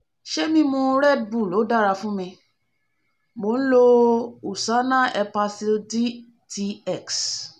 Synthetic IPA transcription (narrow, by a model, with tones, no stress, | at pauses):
ʃe˦mĩ˧mõ˧ɾɛ˦˨d̚bu˦˨lo˨˦da˦˨ɾa˧fũ˦mĩ˧ | mo˨˦n̩˦lo˧u˨sa˦nã˦ɛ˧pa˧si˧di˦ | ti˧ɛ˦˨ks